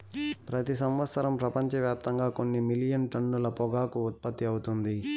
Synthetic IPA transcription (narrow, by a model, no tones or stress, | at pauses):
pɾɐt̪isɐmʋɐt̪sɐɾɐmpɾɐpɐɲt͡ʃɐʋjaːp̚t̪ɐŋɡaːko̞nːimilijɐnʈɐnːulɐpɔɡaːkuːt̪̚pɐt̪ːiɐwut̪und̪i